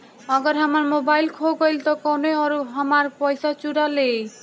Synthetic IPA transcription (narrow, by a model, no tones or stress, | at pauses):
ɔɡɔɾɦʌmaɾmobajlkʰoɡɔlt̪ɔkɔneɔɾuɦɔmaɾpɔjsat͡ʃuɾalej